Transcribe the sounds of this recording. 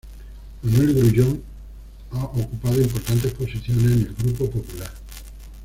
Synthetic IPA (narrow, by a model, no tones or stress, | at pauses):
manwelɣɾuʎoŋ | aʔokupað̞oimpoɾt̪ant̪̬esposiθjonesnelɡɾupopopulaɾ